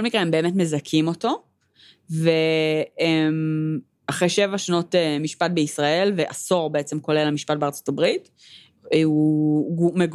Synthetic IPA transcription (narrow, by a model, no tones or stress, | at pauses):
olmikʁeembe̞ːmetme̞zakʰimo̞to̞ | veem | aχʁejʃe̞vaʃano̞temiʃpat̚beisʁae̞lveʔaso̞ʁbeet͡se̞mko̞le̞lamiʃpat̚beaʁt͡so̞tabʁit | u | meɡ